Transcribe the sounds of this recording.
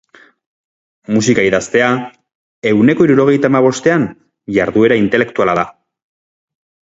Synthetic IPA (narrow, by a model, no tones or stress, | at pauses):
musikaiðast̪e̞a | e̞wne̞ko̞iɾuɾo̞ɣ̞e̞jt̪aːmaβ̞o̞st̪e̞an | ʝaɾðue̞ɾaint̪e̞le̞kt̪ualaða